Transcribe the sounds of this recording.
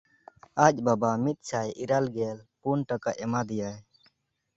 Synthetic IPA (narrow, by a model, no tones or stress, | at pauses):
ac̚ˀbabamit̪̚ˀt͡ʃʰajʔiɾalɡɛlpunʈakaʔɛmad̪ɛjaj